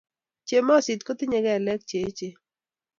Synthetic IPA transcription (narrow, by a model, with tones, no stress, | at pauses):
t͡ʃe˨mɔ˦˨sɪ˨t̪ko˦t̪ɪ˦ɲe˨ɡɛ˦˨lɛ˦k̚t͡ʃe˨˦t͡ʃe˦